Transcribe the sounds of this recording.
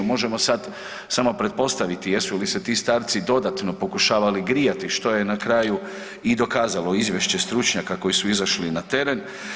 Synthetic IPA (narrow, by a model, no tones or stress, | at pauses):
mo̞ʒe̞mo̞sad̪ | samo̞pɾe̞t̪̚po̞st̪aʋit̪ije̞sulise̞t̪iːst̪aːɾt̪sid̪o̞d̪at̪no̞po̞kuʃaːʋaliɡɾijat̪iʃt̪o̞je̞nakɾaju | id̪o̞kaːzalo̞izʋje̞ʃt͡ɕe̞st̪ɾut͡ʃɲakako̞jisuizaʃlinat̪e̞ɾe̞n